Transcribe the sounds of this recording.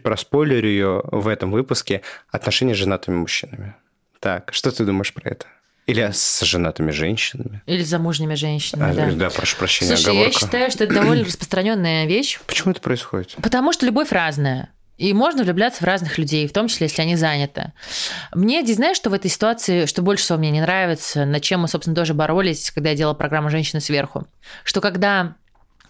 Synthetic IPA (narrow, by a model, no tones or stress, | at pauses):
pɾɐspolʲɪɾʲʊɪjovɛt̪əmvɨpʊskʲɪɐt̪nɐʂɛnʲɪjəʐɨnat̪əmʲɪmʊɕːinəmʲɪ | t̪a̰kʂt̪ot̪ɨd̪uməɪʂpɾɐ̰ɛ̰t̪ə̥ | ilʲɪsʐɨnat̪əmʲɪʐɛnʲɕːɪnəmʲɪilʲɪzɐmuʐnʲɪmʲɪʐɛnʲɕːɪnəd̪ad̪apɾɐʂu̥pɾɐɕːenʲɪuəɡɐvoaɕːt̪ajʊʂt̪oɛt̪əd̪ɐvo̞lʲnərəspɾə̥st̪ɾɐnʲo̞nːɨjəvʲeɕːpə̥t͡ɕɪmuɛt̪ə̥pɾəɪsxo̰dʲɪt̪pət̪ɐmuʂt̪olʲʊbo̞fʲraznəjə | imo̞ʐnəvlʲʊblʲat̪səvraznɨxlʲʉdʲejft̪o̞mt͡ɕɪsʲlʲejeslʲɪɐnʲizanʲɪt̪ɨ̰mnʲedʲeznajɪʂt̪o̞vɛt̪əjsʲɪ̥t̪ʊat̪sɨɪʂt̪obo̞lʲʂɨ̥sʲɪvomnʲenʲɪnɾavʲɪt̪sənɐt͡ɕemːɨso̞psʲɪnt̪o̞ʐɨbɐɾo̞lʲɪsʲkɐɡ̚d̪ajadʲelˠəlˠpɾɐɡɾamːʊʐɛnʲɕɪnɪsvʲe̞rxʊ̰ | ʂt̪o̞kɐɡd̪a